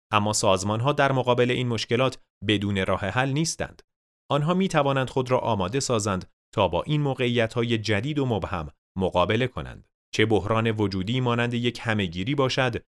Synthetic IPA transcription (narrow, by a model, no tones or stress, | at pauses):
ʔæmːɒːsɒːzmɒːnɦɒːd̪æɾmoɣɒːbe̞le̞ʔiːnmo̞ʃce̞lɒːt̪ʰ | be̞d̪uːne̞ɾɒːhe̞ɦælniːst̪æ̰nd̪̥ | ʔɒnɦɒːmiːt̪ʰævɒːnænd̪̥xo̞d̪ɾɒ̰ːʔɒːmɒːd̪e̞sɒːzænd̪ | t̪ʰɒːbɒ̰ːʔiːnmoːɣe̞ijæt̪ʰhɒːje̞d͡ʒæd̪iːd̪omobhæmː | oɣɒːbe̞le̞kʰo̞næ̰nd̪̥ | t͡ʃʰe̞bohɾɒːne̞vo̞d͡ʒuːd̪iːmɒːnænd̪e̞je̞cʰhæme̞ɟiːɾiːbɒːʃæd̪